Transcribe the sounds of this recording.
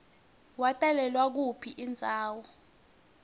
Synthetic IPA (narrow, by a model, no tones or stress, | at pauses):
watʼalɛlwak̬upʰiʔind͡zʱaːwɔ